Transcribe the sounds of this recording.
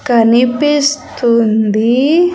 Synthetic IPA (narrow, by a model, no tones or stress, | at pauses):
kanipist̪und̪i